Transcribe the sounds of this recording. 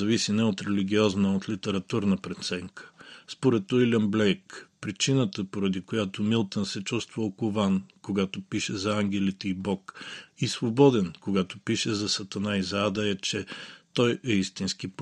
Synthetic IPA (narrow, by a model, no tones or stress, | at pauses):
ɐvisinɛot̪ɾɛliɡʲiɔznəot̪lit̪ɛɾɐt̪uɾnəpɾɛt̪sɛŋkʰə̥spoɾɛt̪ːoilʲəmblɛjkpɾit͡ʃinət̪əpoɾɐd̪ikojat̪omilˠt̪ənsɛt͡ʃust̪vəokovankoɡat̪opiʃɛzɐaŋɡʲɛlit̪ɛibɔkisvobɔd̪ɛnkoɡat̪opiʃɛzɐsɐt̪ɐnaizad̪əɛt͡ʃɛt̪ɔjɛist̪inskip